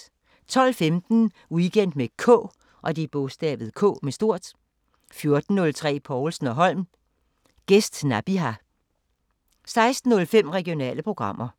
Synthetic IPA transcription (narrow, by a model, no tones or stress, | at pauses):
t͡sʰɒ̽l̰femd̥n̩ | uɡ̥ʰen̰d̥mekʰɔ̰ː | ʔɒ̽d̥ib̥ɔsd̥ɛ̰ːʋð̞̩ˠkʰɔ̰̽ːmesd̥o̝ɐ̰d̥ | fjo̝ɐd̥n̩ːɔ̽lt͡sʰʁɛ̰ːpʰɒːlsn̩ɒ̽ɦɒ̽l̰m | ɡ̥esd̥næb̥iɦæ | sɑ̈ɪsd̥n̩ːɔ̽lfem̰ʁɛɡ̥io̝nɛ̰ːləpʰʁo̝ɡ̥ʁɑ̈m̰ʔɐ